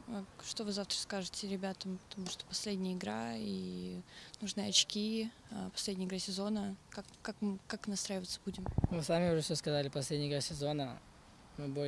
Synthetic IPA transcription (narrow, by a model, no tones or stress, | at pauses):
aʂt̪o̞vɨzaft̪ɾəskaʐɨtʲɪɾʲɪbʲat̪əmpə̥t̪ɐmuʂt̪o̥pɐsʲlʲedʲnʲɪjəɪɡɾa̰i | nuʐnɨɐt͡ɕkʲi | apɐsʲlʲedʲnʲjəɪɡɾasʲɪzo̞nəkakːakmɨkaknɐst̪ɾajɪvət̪səbudʲɪmvɨsamʲɪʊʐɛsʲoskɐzalʲɪpɐsʲlʲedʲnʲjɪɡɾasʲɪzo̞nə | mɨbo